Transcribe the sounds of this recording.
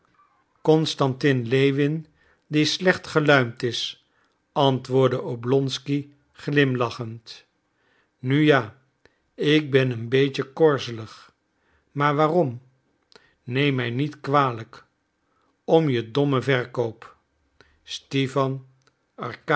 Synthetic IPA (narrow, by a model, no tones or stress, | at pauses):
kɔnstɑntɪnlejʋɪn | dislɛχtχəlœɥmtɪs | ɑntʋʊːɹdəʔowblɔnski | χlɪmlɑχənt | nyjaː | ɪk̚bɛnənbejcəkɔɹzələχ | maːɹʋaːrɔm | nejmːɛjnitkʋaːlək | ɔmjədɔməvɛɹkowp | stefɑn | ɑɹk